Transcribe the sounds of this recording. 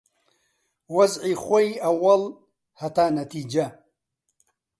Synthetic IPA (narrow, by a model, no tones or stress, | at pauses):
wɐzʕiːxʷojɐwɐl | hɐt̪aːnɐt̪iːd͡ʒɐ